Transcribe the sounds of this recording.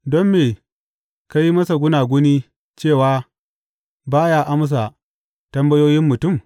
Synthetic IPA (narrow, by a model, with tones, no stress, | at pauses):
dɔ˦mːeː˨ | ka˦ji˦mɐ˦sa˨ɡʷʊ˦naː˨ɡʷʊ˦niː˦ | t͡ʃeː˦˨waː˨˦ | baː˦jaː˦ʔa˦m˦s̬a˨ | tɐ˦mbɐ˦joː˦jɪ˦mːʊ˨tʊ˦˨m